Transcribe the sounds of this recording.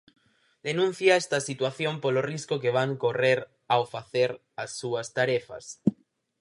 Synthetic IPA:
d̪enũn̟θjaɛst̪ɐsit̪waθjompoloriskokeβaŋkoreɾ | awfaθeɾ | asːuɐst̪aɾefɐ̰s

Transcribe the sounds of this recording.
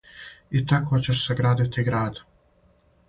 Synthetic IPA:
it̪akot͡ɕeʃseɡɾaːd̪it̪iɡɾaːd̪

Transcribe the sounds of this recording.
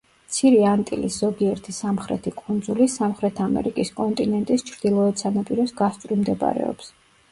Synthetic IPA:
mt̪sʰiɾɛant̪ʼilisz̥ɔɡiɛɾt̪ʰisamχɾɛ̰t̪ʰikʼund̪zulisamχɾɛt̪ʰamɛ̰ɾikʼiskʼɔnt̪ʼinɛnt̪ʼist͡ʃʰɾd̪̥ilˠɔɛt̪sanapʼiɾɔsɡast̪sʼɾimd̪ɛba̰ɾɛ̰ɔ̰ps

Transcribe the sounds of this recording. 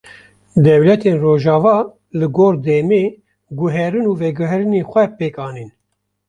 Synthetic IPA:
d̪ɛwlɛt̪ʰeːnroːʒɑːvɑː | lɨɡoːɾd̪ɛmeː | ɡʊɦɛɾɨnuːvɛɡʊɦɾɨneːxʷɛpeːkɑːniːn

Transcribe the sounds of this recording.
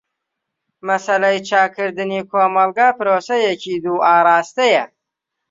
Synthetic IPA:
mɐsɐlɐjt͡ʃɑːkʰɨɾd̪ɨnikʰoːmɐlɡaːpɨɾoːsɐjekʰiːd̪uːɑːɾɑːst̪ɐja

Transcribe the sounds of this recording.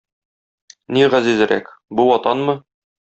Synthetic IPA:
niʁæzizɘ̆ɾæ̰kbuwɒt̪ɑnmɤ

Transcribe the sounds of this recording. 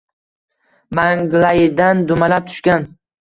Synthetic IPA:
maŋɡlˠajɪd̪and̪ʊmalap̚t̪ʰʊ̥ʃkʲan

